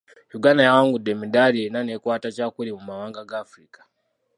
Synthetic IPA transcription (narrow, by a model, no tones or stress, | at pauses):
juɡanajawaŋɡudemidaɾienanekwaːtat͡ʃakulimumawaːŋɡaɡafɾikḁ